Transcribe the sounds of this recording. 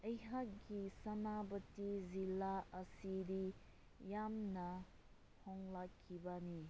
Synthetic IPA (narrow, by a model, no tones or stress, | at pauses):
ɐjɦak̚ɡisɐnabɐtizilaɐsidi | jamnɐ | hɔŋlakʰːibani